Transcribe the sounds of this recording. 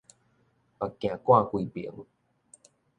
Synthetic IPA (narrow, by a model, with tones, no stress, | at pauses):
a˨kã˨kwa˥˧˨kʷi˧˨pi˨ə˦ŋ